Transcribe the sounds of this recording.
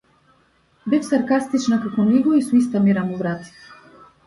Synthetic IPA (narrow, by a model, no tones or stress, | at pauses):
bɛfsaɾkast̪it͡ʃnakakɔniɡɔisuist̪amiɾamuvɾat̪i̥